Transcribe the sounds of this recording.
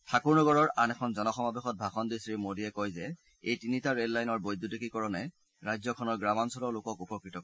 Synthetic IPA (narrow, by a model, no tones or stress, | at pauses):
tʰakuɹnɔɡɔɹɔɹanɛkʰɔnzɔnɔxɔmabexɔt̚bʱaxɔndisɹimodijɛkojzɛ | ejtinitaɹedlajnɔɹbojdʱːutekikɔɹɔnɛ | ɹajzɔkʰɔnɔɹɡɹamansɔlɔlokɔkupɔkɹitɔkɔ